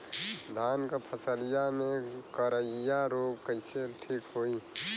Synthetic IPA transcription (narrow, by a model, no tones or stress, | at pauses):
d̪ʱaːnkapʰəsəlijamẽkəɾəjaɾoːɡkəɪseʈʰiːkɦoːi